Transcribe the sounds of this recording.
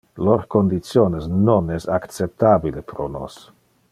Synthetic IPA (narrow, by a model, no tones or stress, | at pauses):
lorkond̪it̪sjoːnesnonɛsak̪t͡sep̚t̪abilepɾono̰s